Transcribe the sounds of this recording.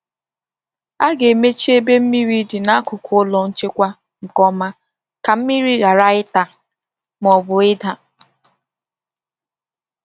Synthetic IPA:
a˦ɡe˨me˦t͡ʃi˦e˦be˦m̩˦mi˦ɾi˦dɪ˨na˦kʊ˨kʰʊ˨˦ʊ˦lɔ˨n̩˦t͡ʃe˦kʷa˦ | ŋ̩˨kɔ˦ma˦ | ka˨m̩˦mi˦ɾi˦ɣa˨ɾa˦ɪ˦ta˨ | m˨ɔ˨bʊ˨ɪ˦da˦˨

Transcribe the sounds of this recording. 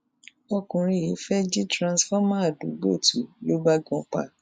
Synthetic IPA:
ɔ˧kũ˨ɾ̃ĩ˧˨ji˨˦fɛ˦d͡ʒi˦tɾã˧sfɔ˦mã˦a˨du˨˦ɡ͡bo˦˨tu˨˦lo˦ba˦ɡɔ̃˧k͡pa̰˦˨

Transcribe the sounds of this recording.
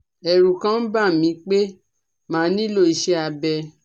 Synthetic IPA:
ɛ˨ɾu˨kã˦n̩˦ba˦˨mĩ˨˧˦k͡pe˦ | mãː˨˦nĩ˦lo˦˨i˧˨ʃe˦a˧bɛ˧

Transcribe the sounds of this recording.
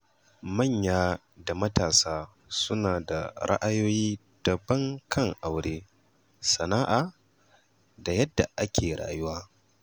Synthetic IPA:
mɐ˦˨ɲjaː˦ | da˨mɐ˦taː˨saː˦ | sʊ˦naː˨da̰˨ɾa̰˦ʔa˦joː˦jiː˦ | d̥ɐ˨bɐ˦ŋkʰɐ˦ŋʔa˨wɽeː˦ | sɐ˨naː˦ʔaː˨ | da˨jɐ˦dːa˨ʔa˦kʲʰeː˨ɾɽa̰ː˨jʊ˦waː˦

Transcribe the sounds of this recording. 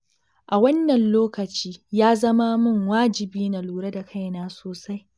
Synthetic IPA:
ʔa˨wɐ˦nːɐ˨nloː˦kɐ˨t͡ʃiː˦jaː˦zɐ˦ma˦mʊ˦˨ŋwaː˦d͡ʒɪ˨biː˦na˨luː˨ɽɐ˦da˨kʰa˦˨jnaː˦soː˨sa˦j

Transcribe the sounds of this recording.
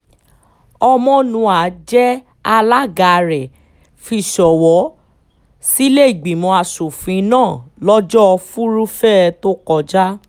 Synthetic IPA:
ɔ˧mɔ̃˦nũ˧a˨˦d͡ʒɛ˦ | a˧la˦ɡa˨˧ɾɛ˨ | fi˧˨ʃɔ˨wɔ˨˦ | si˦le˦i˨ɡ͡bi˨mɔ̃˧a˨su˨fĩ˨˧˦nãː˦˨lɔ˦d͡ʒɔ˦˧fu˦ɾu˦fɛ˦˧to˦kɔ˧d͡ʒa˦

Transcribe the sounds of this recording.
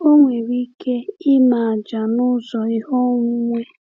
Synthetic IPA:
o˦ŋʷe˨ɾi˦kʰe˦i˦ma˨a˨d͡ʒa˨nʊ˦zɔ˨i˦hɔ˦ŋʷu˦ŋʷe˦

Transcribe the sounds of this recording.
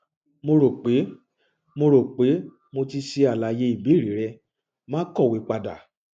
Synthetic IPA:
mo˧ɾo˨k͡pe˨˦ | mo˧ɾo˨k͡pe˨˦ | mo˧ti˧ʃe˧a˨la˨˦je˧˦i˦˨bi˨˦ɾi˨˦ɾɛ˧ | mãː˦kɔ˦˨wi˨˦k͡pa˧da̰˨

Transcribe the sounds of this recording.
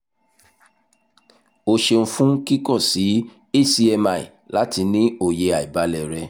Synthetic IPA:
o˧ʃe˧ñ̩˧fũ˦ki˦kɔ˦˨si˨˦ | e˦˨si˧ɛ˧ma˧˨ḭ˨ | la˨˦ti˧nĩ˦o˧˨je˧a˨i˨ba˨˦lɛ˧˨ɾɛ˧

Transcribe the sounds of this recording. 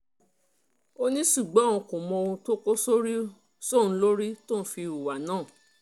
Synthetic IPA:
o˦nĩ˦ʃu˦˨ɡ͡bɔ˨˦ũ˧ko˨mɔ̃˧o˧ũ˧to˦ko˦so˦ɾi˦ | so˦˨ñ̩˧˦lo˦ɾi˦to˦˨n̩˦fi˧ɾu˨wa˨nãː˦˨

